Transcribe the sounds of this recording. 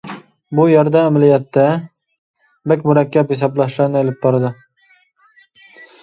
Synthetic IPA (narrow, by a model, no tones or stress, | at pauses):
bujɛɾd̪ɛːmælijɛt̪ːɛ | bɛkʲmʊɾɛkʲːɛphɪsɑblˠɑʃɡɑnelɪp̚bɑɾd̪ɨ